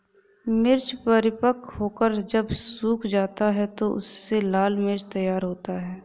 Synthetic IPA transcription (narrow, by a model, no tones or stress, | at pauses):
mɪɾt͡ʃpəɾɪpəkɦoːkəɾd͡ʒəbsuːkʰd͡ʒaːt̪aɦɛt̪oʔʊ̰sːelaːlmɪɾt͡ʃt̪ɐjaːɾɦoːt̪aɦɛː